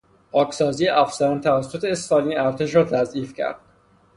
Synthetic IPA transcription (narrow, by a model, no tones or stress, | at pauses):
ɒːcʰsɒːziːjeʔæfsæɾænt̪ʰævæsːot̪ʰeːst̪ɒːniːæɾt̪ʰe̞ʃ̬ɾɒːt̪ʰæzʔiːfcʰæ̰ɾd̪̥̚